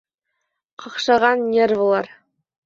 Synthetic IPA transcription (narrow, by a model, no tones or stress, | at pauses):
qɤ̆qʃɑʁɑnːʲervulˠɑɾ